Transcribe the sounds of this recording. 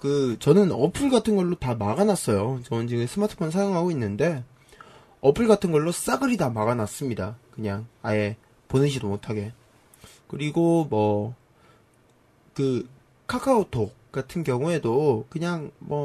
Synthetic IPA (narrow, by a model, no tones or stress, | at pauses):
kɯt͡ɕʌnɯnʌpʰɯɭɡatʰɯnɡʌɭːotamaɡanas͈ʌjot͡ɕʌnt͡ɕiɡɯmsʰɯmatʰɯ̥pʰonsʰajoŋɦaɡoinːɯnde̞ | ʌpʰɯɭɡatʰɯnɡʌɭːos͈aɡɯɾitamaɡanas͈ɯmɲidakɯɲaŋae̞ | ponɯɕʰidomotʰaɡe̞ | kɯɾiɡomʌ | kɯ | kʰakʰaotʰok͈atʰɯnɡjʌŋue̞dokɯɲaŋmʌ